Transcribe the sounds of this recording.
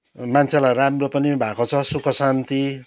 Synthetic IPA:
mant͡sʰelajramropʌnibʱakot͡sʰʌsukʰʌsant̪i

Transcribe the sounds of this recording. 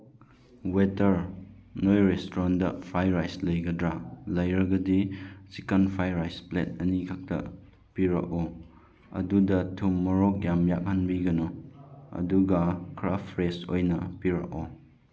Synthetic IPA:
wetɐɾnojɾestɾandɐpʰɾajɾajslɐjɡɐdɾalɐjɾɐɡɐdisikɐnpʰajɾajsplet̚ɐnikʰak̚tɐ̰ | piɾɐ̰kɔ | ɐ̰dudɐtʰumːɐɾok̚jamjak̚hanbiɡɐnoɐ̰duɡɐkɾapʰɾesojnɐpiɾɐ̰k̚ɔ

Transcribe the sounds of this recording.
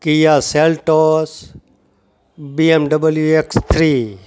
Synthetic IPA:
kijaselʈos | biemɖɐbəljuekst̪ʰɾiː

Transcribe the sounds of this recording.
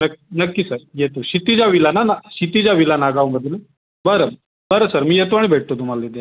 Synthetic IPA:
nəkːinəkːisəɾjet̪oɕit̪id͡ʑjaʋilananaɕit̪id͡ʑaʋilanaɡaʋməd̪ʱle | bəɾə | bəɾəsəɾmiːjet̪̬oaɽ̃ibʱeʈ̚t̪ot̪um̤alːed̪ja

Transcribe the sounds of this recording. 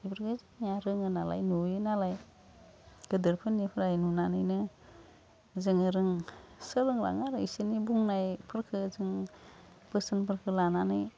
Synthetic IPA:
ibəɾɡɯzɯŋijaɾɯŋɯnala̰jnujɯnalaj | ɡ̥ɯdɯɾpʰɯnipʰɯɾajnunanɯjnɯ | zɯŋɯɾɯŋsɯlɯŋla̰ŋaɾɯisinibuŋnajpʰɯɾkʰɯzɯŋ | b̥ɯsɯnpʰɯɾkʰɯlananɯj

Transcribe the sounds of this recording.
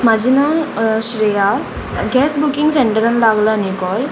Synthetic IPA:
mad͡ʒinasɾija | ɡɛsbukiŋseɳʈəɾɐnɐlaɡlanikɔl

